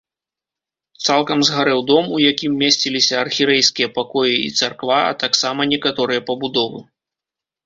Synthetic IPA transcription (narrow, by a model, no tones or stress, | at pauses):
t̪salˠkɐmzɣaɾɛwd̪ɔmujakʲimːʲesʲt͡sʲilʲisʲɐɐrxʲiɾɛjskʲijɐpakɔjiḭt̪sarkvaɐ̰t̪aksamɐnʲɛkat̪ɔɾɨjɐpɐbud̪ɔvɨ